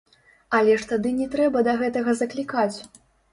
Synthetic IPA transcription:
ɐlʲɛʂt̪ad̪ɨnʲɛt̪ɾɛbɐd̪ɐɣɛt̪ɐɣɐzɐklʲikat͡sʲ

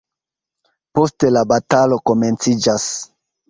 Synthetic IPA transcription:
po̞stelabatalo̞ko̞me̞nt͡sid͡ʒas

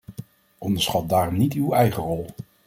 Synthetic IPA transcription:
ʔɔndəɹsχɑt̚daːrɔmnitywɛjχərɔlˠ

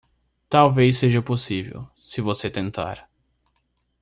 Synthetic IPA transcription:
t̪awvejs̬ːeʒɐposivḛw | sɪvoset̪ẽnt̪a̰ɾ

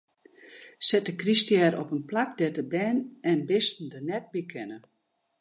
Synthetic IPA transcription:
sɛt̚əkristjɛːɾɔpənplak̚dɛtəbɛːnɛnbɪstn̩dənɛt̚bikʰɛnə

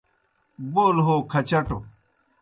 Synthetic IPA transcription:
boːlɦoːkʰɐt͡ɕɐʈo

